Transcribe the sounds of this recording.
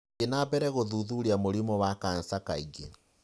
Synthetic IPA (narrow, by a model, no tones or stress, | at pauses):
enabɛɾɛɣoðuðuɾiamoɾimɔwakan̩sakaiɡe